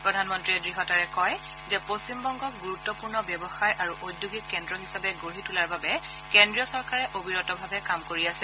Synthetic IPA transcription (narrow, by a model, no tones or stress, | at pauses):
pɹɔdʱanmɔntɹiɛdɹiɦɔtaɹɛkɔj | zɛpostimbɔŋɡɔk̚ɡuɹutːɔpuɹnɔbjɔbɔxajʔaɹuʔodjuɡikːɛndɹɔɦisabɛɡoɹitulaɹbabɛ | kendɹiɔsɔɹkaɹɛʔobiɹɔtɔbʱabɛkamkoɹiasɛl